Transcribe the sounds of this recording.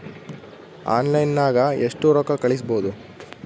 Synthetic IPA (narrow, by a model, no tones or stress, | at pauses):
a̰ːnlɐjnːaːɡɐeʂʈuɾɔkɐkɐɭis̬bo̞ːd̪u